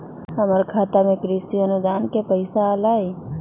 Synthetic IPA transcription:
ɦɐməɾkʰaːt̪amẽkɾisiɐnʊd̪aːnkepəɪsaalaːe

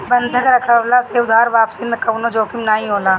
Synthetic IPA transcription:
bɐnd̪ʱəkɾɐkʰəʋlaseːʊd̪ʱaːɾʋaːpsinekɐwnod͡ʒoːkimnaːɦĩɦoːlaː

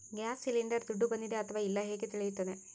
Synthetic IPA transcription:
ɡaːsːiliɳɖɐrt̪uɖːubɐnːiðeɐt̪ʰɐʋaːilːaɦeːkːɨt̪iɭijut̪ːɐnːe

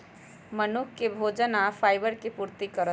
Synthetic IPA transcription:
mənukːebʱod͡ʒənapʰaɪjbəɾkepuɾt̪ikəɾə

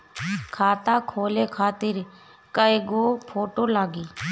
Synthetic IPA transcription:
kʰaːt̪aːkʰoːleːkʰaːt̪ɪɾ | kəeɡoːpʰoːʈoːlaːɡiː

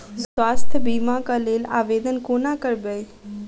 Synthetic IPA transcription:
swaːst̪ʰəbiːmãkəleːla̰ːʋeːd̪ənkoːnãkəɾbej

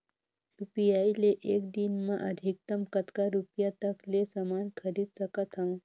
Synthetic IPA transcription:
jupijaileʔeːkd̪inmaʔəd̪ʱik̚t̪əmkət̪kaɾupjat̪əklesəmankʰəɾiːd̪səkət̪ɦãm

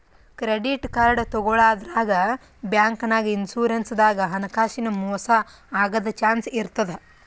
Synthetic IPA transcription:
kɾeɖiʈkaːɾɐɽɐt̪ɔɡɔɭaːd̪ɾaːɡɐ | bjaːŋkɐnaːɡiinsuːɾensd̪aːɡɐɦɐnɐkaːʃinɐmɔːsɐ | aːɡɐd̪ɐt͡ʃaːnsiɾt̪ɐd̪e

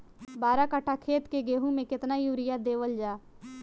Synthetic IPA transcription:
baːɾakəʈʰakʰeːt̪keɡeːɦũmẽkɪt̪najuːɾɪjad̪eːʋəld͡ʒaː

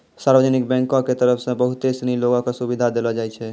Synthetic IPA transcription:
saɾbəd͡ʒnik̚bɛ̃ŋkõket̪əɾəpʰsə̃bəɦut̪esniloɡõkesubid̪ʱad̪elɔd͡ʒajt͡ʃʰɛ

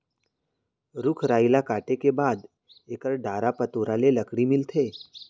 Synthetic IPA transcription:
ɾʊkʰɾaːɪlakaːʈekebaːd̪ | eːkəɾɖaːɾapət̪oːɾaleləkɽimɪlt̪ʰeː

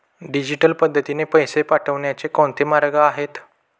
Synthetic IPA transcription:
ɖid͡ʑiʈəlpəd̪ʱːət̪inepəjsepaʈʰəʋɳjat͡sekõɳt̪ʰemaɾɡaːɦet̪

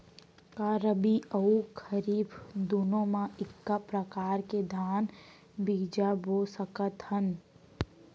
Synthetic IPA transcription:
kaːɾəbiəukʰəɾiːbd̪ʊnõmãɪkːapɾəkaːɾked̪ʱaːn | biːd͡ʒaboːsəkət̪hən

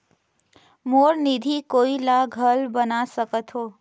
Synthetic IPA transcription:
moːɾnid̪ʱikoːilaɡʱəlbənasəkət̪ɦoː

